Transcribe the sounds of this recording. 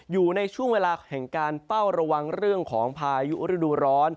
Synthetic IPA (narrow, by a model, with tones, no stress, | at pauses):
juː˨˩na˧jt͡ɕʰu˥˩əŋweː˧laː˧hɛ˨˩ŋkaː˧nfa˥˩wɾa˧wa˧ŋɾɯ˥˩əŋkʰɔː˩˦ŋpʰaː˧ju˦˥ʔɾi˦˥˩duː˧ɾɔː˦˥n